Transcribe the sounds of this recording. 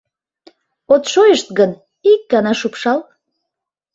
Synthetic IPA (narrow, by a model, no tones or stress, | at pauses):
ot̪ʃojəʃt̪̚ɡən | ik̚ːɑnɑʃupʃɑl